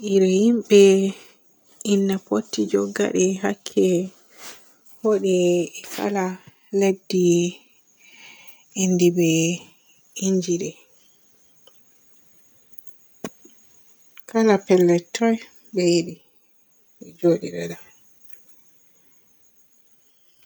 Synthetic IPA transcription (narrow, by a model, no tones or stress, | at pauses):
ʔiɾɛhimɓɛ | ʔinːapotːid͡ʒɔɡːa̰ɗɛɦakʰːɛ | hɔɗɛkʰa̰la | lebdi | indibɛ | iɲd͡ʒiɗɛ | kʰalapɛlːɛtʰːɔj | bɛjiɗi | ɛd͡ʒoɗiɗɛɗa